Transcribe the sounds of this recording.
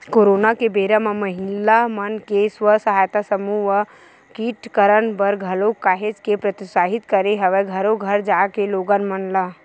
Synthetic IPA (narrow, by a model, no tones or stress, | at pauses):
koːɾoːnakebeɾəmãməɦɪlamənkesʋəsəɦaːjt̪asəmuʋə | kiːʈkəɾənbəɾɡʱəlokːaːɦed͡ʒkepɾɐt̪isaːɦit̪kəɾeɦɐʋeɡʱəɾoɡʱəɾd͡ʒaːkeloːɡənmənla